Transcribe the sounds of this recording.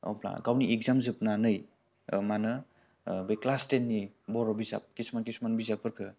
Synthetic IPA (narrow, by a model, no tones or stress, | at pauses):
ɔ̰pla̰ɡawniʔek̚zamzɯp̚nanɯj | manɯ | bɯjklastenːibɔɾɔbiza̰p̚kismankismanbizapɯɾkʰɯ